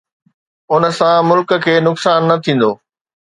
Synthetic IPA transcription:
ʊnə̆sãmʊlkkʰeːnʊksaːnːɐt̪ʰĩːn̆d̪oː

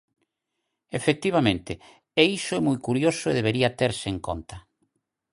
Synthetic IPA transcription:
efek̚t̪iβ̞amẽnt̪ɪ | eisʊɛmujkuɾjosʊeð̞eβeɾiɐt̪eɾsɪeŋko̰nt̪ɐ

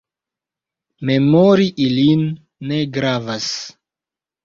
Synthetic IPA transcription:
me̞moɾiʔilinː | e̞ɡɾavas

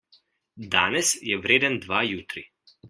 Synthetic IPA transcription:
d̪aːnɛsjɛʋɾeːd̪ənd̪ʋajuːt̪ɾi

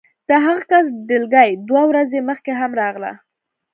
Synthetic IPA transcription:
d̪̥əɦaɣakas̬ɖɪlɡajd̪wawɾazeməxkeɦamɾɑɣla̰

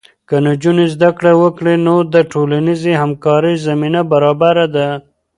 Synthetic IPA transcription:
kənad͡ʒunezd̪akɽawəkɽenod̪əʈolanizehamkɑɾəjzaminabaɾɑbaɾad̪a

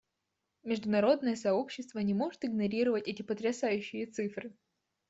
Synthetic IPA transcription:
mʲɪʐd̪ʊnɐɾo̞d̪nəjəsɐo̞pɕːɪst̪vənʲɪmo̞ʐɨt̪ɨɡnɐɾʲiɾəvətʲɛtʲɪpət̪ɾʲɪsajʉɕːɪjət̪sɨfɾɨ

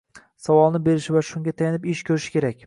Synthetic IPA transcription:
savɒlˠnɪbe̞ɾɪʃɪvaʃʊŋɡʲat̪ʰajanɪpɪʃkʲʰɵɾɪʃɪ̥kʲʰe̞ɾakʲ

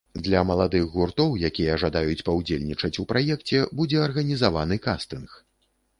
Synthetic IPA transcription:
d̪lʲɐmɐlˠad̪ɨɣɣurt̪ɔwjakʲijɛʐad̪ajut͡sʲpɐwd͡zʲelʲnʲit͡ʂɐt͡sʲupɾʔajɛkt͡sʲɛbud͡zʲɛɐrɣɐnʲizavan̪ɨkast̪ɨnx

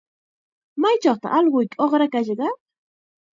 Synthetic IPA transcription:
majt͡ʃɑχt̪a̰ʔɑlɢʊjkoχɾakaʃɢɑ

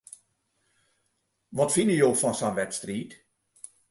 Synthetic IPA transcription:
ʋɔtfɪnəjoːfɔnsanʋɛtstriːt

